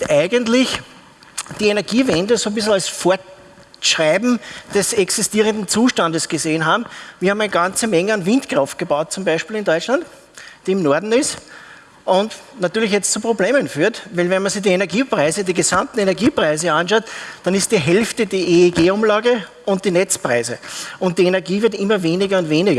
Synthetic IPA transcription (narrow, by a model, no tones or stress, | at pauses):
ʔæɪɡəntlɪç | d̥iːenɛɐɡiːvɛndəsoːbɪsl̩alsfoːɐ | ʃʁaɪbm̩d̥ɛsɛksɪstiːʁə̃ndn̩t͡suːʃtandəsɡ̥əzeːənɦaːbm̩viɐhamæɪnəɡ̥ãnt͡səmɛŋəanvɪ̃ntkʁɔft̚ɡ̥əbaʊt̚t͡sʊ̃mbæɪʃpiːlɪndɔʏt͡ʃlant | d̥iːɪmnɔɐdn̩ɪs | ʔʊntnatyːɐlɪçjɛt͡stt͡supʁ̥obleːmənfyːɐtvæɪlvɛnmɐsɪçd̥iːenɐɡiːpʁaɪzədiːɡəzãmtn̩enɛɐɡiːpʁaɪzəãnʃɑʊtd̥anɪst̚d̥iɦɛlftədiːʔeeɡeːʊmlaːɡə | ʊ̃nt̚d̥iːnɛt͡spʁaɪzəʊnt̚d̥iːenɛɐɡiːvɪɐtɪmɐveːnɪɡɐʊntveːnɪɡɐ